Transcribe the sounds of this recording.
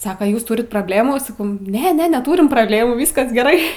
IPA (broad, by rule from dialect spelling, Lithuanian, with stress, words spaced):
ˈsɑːkoː ˈjuːs ˈtʊrʲɪt proːbʲˈlʲeːmuː sɐˈkɐʊ ˈnʲɛ ˈnʲɛ nʲɛˈtuːrʲɪm prɐbʲˈlʲeːmuː ˈʋʲiːskɐs ɡʲɛˈrɐɪ